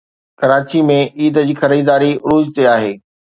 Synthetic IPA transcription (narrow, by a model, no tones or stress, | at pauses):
kɐɾaːt͡ɕimẽʔiːd̪əd͡ʑiːxɐɾiːd̪aːɾiɾuːd͡ʑt̪eaːɦeː